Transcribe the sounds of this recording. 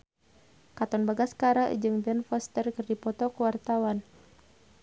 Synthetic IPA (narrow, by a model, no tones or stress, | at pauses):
kat̪ɔnbaɡaskaɾaʔd͡ʒɨŋbɛnfɔst̪ərkɨrdipɔt̪ɔkəwart̪awan